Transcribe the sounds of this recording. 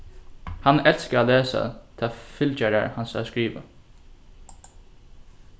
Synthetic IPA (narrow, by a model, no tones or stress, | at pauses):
hanɛlskəaːleːsa̰t̪ʰafɪlt͡ʃæɾa̰ɹhansa̰skɹiːʋə̰